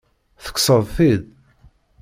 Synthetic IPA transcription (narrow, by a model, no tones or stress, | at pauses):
θə̥kːsəðˤθið